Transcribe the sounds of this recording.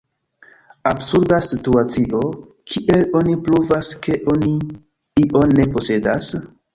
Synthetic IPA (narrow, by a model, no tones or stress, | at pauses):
absuɾdasituat͡siʔo̞ | kʰiʔe̞lo̞nipɾuvaske̞ʔo̞ni | iʔo̞nːe̞po̞se̞das